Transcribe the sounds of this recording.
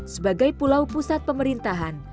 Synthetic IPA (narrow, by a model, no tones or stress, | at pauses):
səbaɡajpulawpusat̪̚pəməɾint̪aɦan